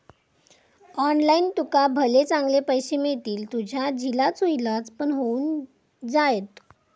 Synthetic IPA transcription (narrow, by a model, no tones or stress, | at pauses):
ɔnlaint̪ukabʱəlet͡sãŋɡlepəjɕemeɭt̪iːlt̪ud͡ʑʱjad͡ʑʱilat͡sojilat͡spəɳɦouːn | d͡zajet̪